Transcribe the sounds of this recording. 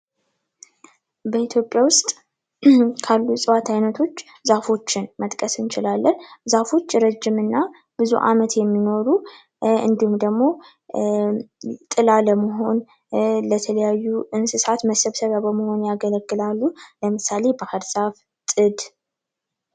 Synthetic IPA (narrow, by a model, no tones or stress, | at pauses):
bəit̪ʰjo̞pʼːjawʊst̪ʼ | kʰalːusʼɨwat̪ʰajnət̪ʰo̞t͡ʃː | zafo̞t͡ʃːɪnmət̪ʼkʼəsɨnt͡ʃɪlalːənzafo̞t͡ʃːɾəd͡ʒːɪmɨnːa | b̥ɨzṵʔa̰mət̪jɛmːino̞ɾu | ɨ̰nd̪ihumd̪əɡmo̞ | t̪ʼɨlaləməɦo̞n | lət̪ʰələjajːuʔɨnsɨsat̪məsəβsəβjabəməho̞njaɡələɡːɨlalːuləmɨsale̞bəhəɾsaf | t̪ʼɨd̪